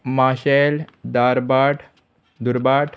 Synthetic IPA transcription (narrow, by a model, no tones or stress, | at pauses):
maːɕeld̪aːɾbaːʈʰ | d̪uɾbaːʈʰ